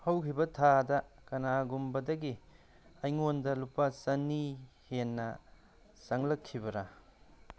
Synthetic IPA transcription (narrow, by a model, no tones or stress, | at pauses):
hɐwkʰibɐtʰadɐkɐnaɡumbɐdɐɡi | ɐjŋondɐlupasɐnihenːɐ | sɐŋlɐkʰːibɐɾa